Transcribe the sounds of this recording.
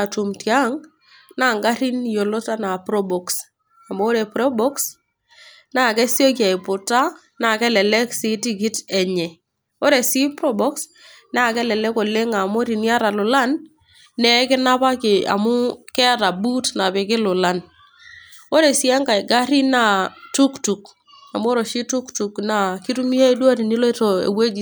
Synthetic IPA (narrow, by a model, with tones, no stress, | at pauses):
a˨tu˨mtja˦ŋ | na˦˨ŋɡa˦ɾi˦njo˨lo˦ta˦na˨pɾɔ˦bɔ˨ks | a˨mʊː˦ɾe˨pɾɔ˦bɔ˦ks | na˨kɛ˦sjo˦k̬ja˨ɪ˨pʊ˨ta˦ | na˨kɛ˦lɛ˨lɛ˦ksi˦ti˦ki˦tɛ˨ɲɛ˨ | o˦ɾe˨si˦pɾɔ˦bɔ˦ks | na˦˨kɛ˦lɛ˨lɛ˦ko˨le˦ŋa˨mo˦ɾi˨ni˦a˦ɾa˨lʊ˨la˦nː | ɛ˦kɪ˦na˦pa˦kɪ˨a̰˨mʊ˦kɛ˦a˦ta˨bu˦tna˨pɪ˨kɪ˦lʊ˨la˦n | o˦ɾe˨si˦a˦ŋka˨ɪ˨ɡa˦ɾi˦na˦˨tu˦ktu˨k | a˨m˦o˦ɾo˨ʃi˦tu˦ktu˨kna˨ki˦tu˦mi˦he˦i˦dwa˦ɾi˨ni˦lɔ˦to˨ḛ˨we˦d͡ʒi˨